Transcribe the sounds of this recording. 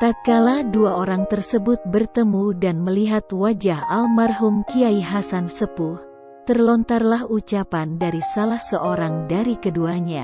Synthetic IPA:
t̪at̪̚kaladuaʔoɾaŋt̪ərsəbʊt̪̚bərt̪əmudanməliɦat̪wad͡ʒahalmarɦumkiaiɦasansəbʊh | t̪ərlɔnt̪arlahut͡ʃapandaɾisalahsəʔoɾaŋdaɾikəduaɲa̰

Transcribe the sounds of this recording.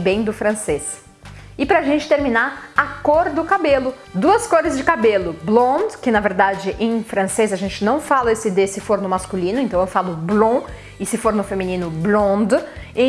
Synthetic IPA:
bẽj̃d̪ʊfɾɐ̃ses | ɪpɾɐːʒẽnt͡ʃɪ̥t̪eɾminaakoɾd̪ʊkabelʊ | d̪uɐskoɾɪzd͡ʒɪkabelʊblõd̪kɪnɐveɾd̪ad͡ʒɪʔẽj̃fɾɐ̃sezɐʒẽnt͡ʃɪnɐ̃w̃falɐesɪd̪esɪfoɾnʊmaskulĩnʊẽnt̪ɐ̃w̃ewfalʊblõ | ɪsɪfoɾnʊfemĩnĩnʊblõd̪ẽ

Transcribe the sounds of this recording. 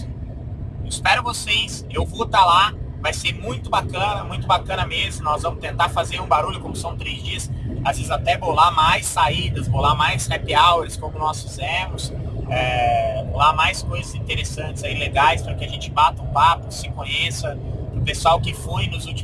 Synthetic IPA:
ɪspɛɾʊvosejs | ewvot̪alavajseɾmũj̃t̪ʊbakɐ̃nɐmũj̃t̪ʊbakɐ̃nɐmezmʊnɔzvɐ̃mʊst̪ẽnt̪aɾfazeɾũbaɾuʎʊkõmʊsɐ̃w̃t̪ɾezd͡ʒiɐsazvezɪzat̪ɛvolamajsːaid̪ɐsvolamajshapɪawɛɾɪskõmʊnɔsfizẽmʊsɛolamajskojzɐzĩt̪eɾesɐ̃nt͡ʃɪzaileɡajspɾkɪaʒẽnt͡ʃɪbat̪ɐʊ̃papʊsɪkõɲesɐʊ̃pesuawkɪfujnʊzut͡ʃ

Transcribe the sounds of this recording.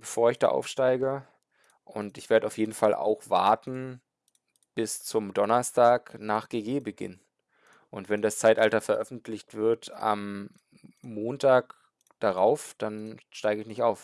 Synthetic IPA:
b̥əfoːɐɪçd̥a̰ːʔa̰ʊfʃtaɪɡə | ʔʊntɪçv̥eːɐdəaʊfjeːdn̩falʔa̰ʊxv̥a̰ɐtn̩ | b̥ɪst͡sʊmdɔnɐstaːknaːχɡ̥eːɡeːbəɡɪ̰n | ʔʊntv̥ɛndast͡saɪtʔaltɐfɛɐʔœfn̩tʰlɪçtv̥ɪɐta̰mː | oːntʰaːk | d̥aʁaʊfd̥anʃtaɪɡəɪçnɪçtʔaʊf

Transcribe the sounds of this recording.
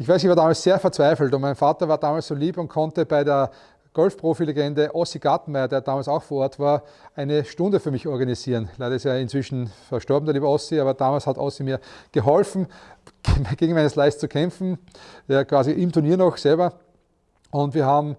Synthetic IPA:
ɪçv̥æɪsçvaːɐdaːmalsseːɐfɛɐt͡sv̥æɪfl̩tʊmæɪnfaːtɐvaːɐdaːmalsoːliːpʊnt̚kʰɔ̃ntəb̥æɪdeːɐ | ɡ̥ɔlfpʁ̥oːfileɡɛndəʔɔsiɡ̥atmæɪɐdeːɐdaːmaːlsaʊxfoɐɔɐtv̥aːɐ | ʔæɪnəʃtʊ̃ndəfyɐmɪçɔɐɡanisiːʁənlæɪɾɐɪstjaːɪntt͡sv̥ɪʃn̩fɛɐʃtɔɐbm̩dɐliːbɐɔsiaːbɐd̥aːmalshatʔɔ̰simiːɐɡ̥əɦɔlfn̩ | ɡ̥eɡŋ̩mæɪnəslæɪst͡sukʰɛ̃mfn̩jakʰv̥aːziʔɪmtʰʊɐniːɐnɔxsɛlbɐ | ʊntv̥iːɐɦaːbm̩

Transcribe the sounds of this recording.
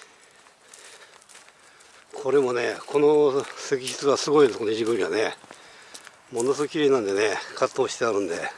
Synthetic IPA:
kʰo̞ɾe̞mo̞ne̞kʰo̞nose̞kʲiɕi̥t͡sɨβasɨɡo̞inkonoiʑiɡɯ̟ɲʲiɡane̞ | mo̞nosɨkokʲiɾe̞ːnãnd̪e̞ne̞kʰat̪ːo̞ːɕi̥t̪eaɾɯ̟̃nd̪e̞̰

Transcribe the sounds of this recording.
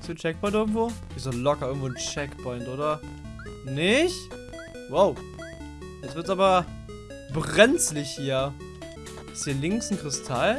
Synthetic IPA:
ɪsont͡ʃɛk̚pʰɔʏntʔɪɐɡŋ̩tv̥o̥ː | iszolɔkɐʔɪɐɡŋ̩tv̥oːn̩t͡ʃɛkpʰɔʏntʔoːdɐ | nɪç | woʊ | jɛt͡sv̥ɪɐtt͡saːbɐ | bʁɛnt͡slɪçhiːɐ | ɪshiːɐlɪŋsn̩kʁ̥ɪstʰal

